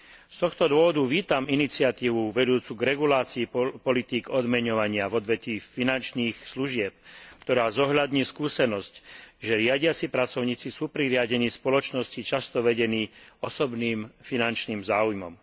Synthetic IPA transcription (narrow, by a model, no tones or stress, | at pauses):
st̪ɔxt̪ɔd̪ʊɔʋɔd̪uʋiːt̪aminit͡sɪat̪iːʋuʋɛd̪uːt͡suɡɾɛɡulaːt͡siipɔlit̪iːɡɔd̪mɛɲɔʋaɲɪavɔd̪ʋɛt̪iːfinant͡ʃniːxsluʒɪɛp̚kt̪ɔɾaːzɔɦʎad̪ɲiːskuːsɛnɔscʒɛɾɪaɟɪat͡sipɾat͡sɔʊɲiːt͡sisuːpɾiɾɪaɟɛniːspɔlɔt͡ʃnɔscit͡ʃast̪ɔʋɛɟɛniːɔsɔbniːmfinant͡ʃniːmzaːujmɔ̰m